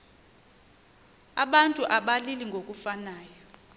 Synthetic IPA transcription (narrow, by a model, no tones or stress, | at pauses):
aɓantʼuʔaɓaliliŋɡʱokʼufanaːjɔ